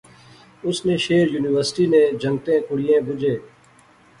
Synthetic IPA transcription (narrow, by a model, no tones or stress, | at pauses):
ʊsneʃeːɾjuːniʋəɾsʈiːnẽd͡ʒə̃ŋɡt̪ẽkʊɽijẽːbʊd͡ʒeː